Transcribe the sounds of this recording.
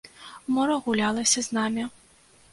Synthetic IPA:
mɔɾɐɣʊlʲalˠɐsʲɐznɑmʲɪ

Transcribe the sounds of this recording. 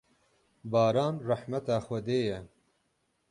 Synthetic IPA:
bɑːɾɑːnrɛħmɛt̪ɑːxʷɛd̪eːjɛ

